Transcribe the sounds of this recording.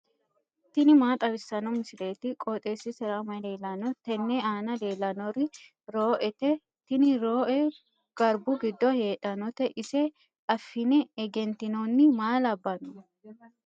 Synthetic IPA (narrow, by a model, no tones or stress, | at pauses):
t̪ɪnɪmaːt̪ʼɐβɪsːɐnɔmɪsɪle̞ːt̪ɪkʼɔt̪ʼeːsɪsɛɾamɐle̞ːlɐnɔt̪ɛnːɛaːnɐle̞ːlɐnɔɾɪ | ɾoːʔɛt̪ɛ | t̪ɪnɪɾoːʔɛ | ɡ̥ɐɾbʊɡɪd̪ːɔhe̞ːᶑʼɐnɔt̪ɛʔɪsɛ | ɐfːɪnɛɛɡɛnt̪ɪnoːnːɪmaːlɐbːɐnɔ